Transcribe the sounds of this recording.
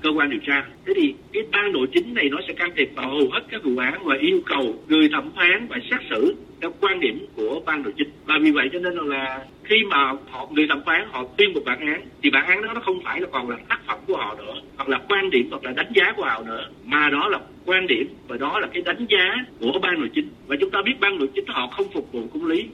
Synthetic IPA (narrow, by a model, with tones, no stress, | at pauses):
kəː˧kwaː˧nɗi˨˩əwt͡ɕaː˧t̪ʰe˨˦t̪ʰi˨˩kaː˨˦jɓaː˧nɗo̰˧˨jt͡ɕï˨˦ŋ̟na˨˩jnɔ˨˦sɛ̰˧˥kaː˧mt̪ʰi˨˩əp̚va˨˩ho˨˩whe˦˥t̚kaː˦˥k̚vṵ˧˨ʔaː˨˦nvaː˨˩ʔi˧əwkə˨˩wŋɨ˨˩əjt̪ʰə˧˩mfaː˨˦nvaː˨˩saː˦˥t̚sɨ̰˧˨t̪ʰɛ˧˩wkwaː˧nɗi˧˩əmku˧˩əɓaː˧nɗo̰˧˨jt͡ɕï˨˦ŋ̟vaː˨˩vi˨˩və̰˧˨jt͡ɕɔ˧ne˧n˨laː˨˩ | xi˧maː˨˩hɔ̰˧˨ŋɨ˨˩əjt̪ʰə˧˩mfwaː˨˦nhɔ̰˧˨t̪wi˧ənmu˨˩t̚ɓa̰ː˧˨nʔaː˨˦nt̪ʰi˨˩ɓa̰ː˧˨nʔaː˨˦nɔ˨˦nɔ˨˦xə˧wŋ͡mfaː˧˩jlaː˨˩kɔ˨˩nlaː˨˩t̪aː˦˥k̚fə̰˧˩mku˧˩əhɔ̰˧˨nɨ̰˧˥əhwa˨˩k̚laː˨˩kwaː˧nɗi˧˩əmhwa˨˩k̚laː˨˩ɗa˨˦jŋ̟zaː˨˦ku˧˩əhɔ̰˧˨nɨ̰˧˥ə | maː˨˩ɗɔ˨˦laː˨˩ | kwaː˧nɗi˧˩əmva˨˩jɗɔ˨˦laː˨˩kaː˨˦jɗa˨˦jŋ̟zaː˨˦ku˧˩əɓaː˧no̰˧˨jt͡ɕï˨˦ŋ̟vaː˨˩t͡ɕʊ˨˦ŋ͡mt̪aː˧ɓi˦˥ət̚ɓaː˧no̰˧˨jt͡ɕï˨˦ŋ̟hɔ̰˧˨xə˧wŋ͡mfʊ˨˩k͡p̚vṵ˧˨kʊ˧˦ŋ͡mli˨˦